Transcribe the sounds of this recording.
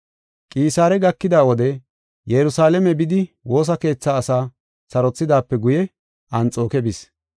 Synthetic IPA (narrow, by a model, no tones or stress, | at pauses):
kʼiːsaːɾɛɡɐkːɪd̪aːwɔd̪ɛ | jɛɾʊsaːlɛmɛbɪd̪ɪwo̞ːs̬ɐke̞ːt͡sːaːsaː | sɐɾɔt͡sːɪd̪aːpːɛɡʊjɛ | ɐnt͡sʼo̞ːkɛbɪs